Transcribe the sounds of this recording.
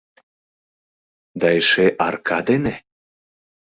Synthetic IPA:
d̪ɑeʃeʔɑrkʰad̪ene

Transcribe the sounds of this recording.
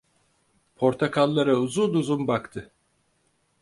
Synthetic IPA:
pʰo̞ɾt̪ʰakʰalˠːaɾauzuːd̪uzumbakt̪ʰɯ

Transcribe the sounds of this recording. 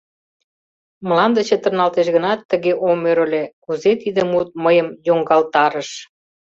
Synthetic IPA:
mlɑnd̪ə̆t͡ɕĕt̪ə̆rnɑlt̪eʃɣə̆nɑt̪ːəɣeʔomøɾə̆lekuzet̪id̪emut̪̚məjəmjoŋɡɑlt̪ɑɾə̆ʃ

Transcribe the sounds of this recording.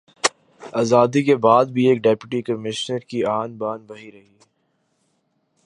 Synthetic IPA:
aːzaːd̪ikebaːd̪̚bʱieːk̚ɖɛːpjʊʈikəmɪʃnəɾkiaːnbaːnʋɐɦiɾɐɦi

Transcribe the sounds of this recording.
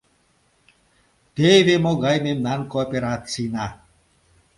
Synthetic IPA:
t̪eʋemoɡajmemnankoɔpeɾat͡sina

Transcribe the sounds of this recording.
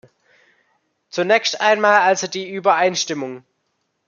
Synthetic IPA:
t͡sunɛːkstʔaɪnmaːlalzodiːʔybɐʔaɪnʃtɪmʊŋ

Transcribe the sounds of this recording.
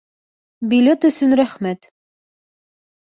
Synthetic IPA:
bilʲet̪ɵ̆sɵnɾæχmæt̪

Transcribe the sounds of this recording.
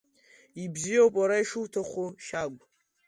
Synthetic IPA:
ibzijowpʼaɾaiʂɨwtʰaχʷuʃaɡʷʼ

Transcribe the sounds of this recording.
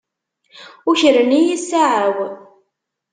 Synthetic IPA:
ʊçəɾənijisaʕəw

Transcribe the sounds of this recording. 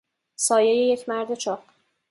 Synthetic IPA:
sɒːjejeje̞cʰmæɾd̪e̞t͡ʃʰɒːq

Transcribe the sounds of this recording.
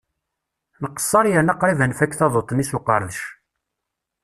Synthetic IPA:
nəqə̥sˤːɑɾˤjənɑqɾivənfækːθɑðˤot̪ˤːnisuqəɾˤəðʃ

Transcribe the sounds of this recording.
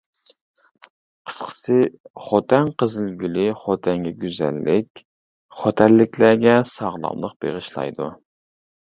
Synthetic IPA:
qʰə̥sqʰə̥sɨχot̪ɛnqəzɨlɡʲylɪχot̪ʰɛŋɡʲɛɡʲyzæ̰lːɪkʲ | χot̪ʰɛlːɪkʲlæɡʲɛsɑʁlˠɑ̰mlˠəq̚b̥eʁəʃlˠɑ̰jd̪u

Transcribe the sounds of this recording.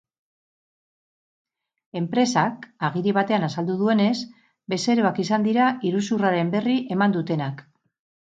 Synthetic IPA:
e̞mpɾe̞sakaɣ̞iɾiβ̞at̪e̞anasald̪uðue̞ne̞s | be̞se̞ɾoakisand̪iɾaʔiɾusuraɾe̞mbe̞riʔe̞mand̪ut̪e̞nak

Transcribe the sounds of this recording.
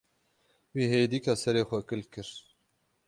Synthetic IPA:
wiːɦeːd̪ikɑsɛɾeːxʷɛkɨlkɨɾ

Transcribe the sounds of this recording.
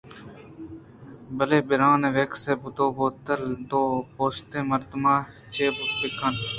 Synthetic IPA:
bəleːbɪɾãːneʋeːkseːbʊt̪oːboːt̪əld̪oːpoːst̪ẽːməɾt̪maː | t͡ʃeːbʊpɪkʰən

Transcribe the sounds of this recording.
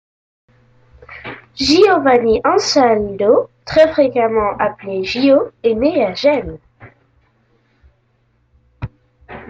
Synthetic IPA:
ʒiovaniʔɑ̃sand̪ot̪χɛfχekamɑ̃ʔapleʒioeneaʒɛn

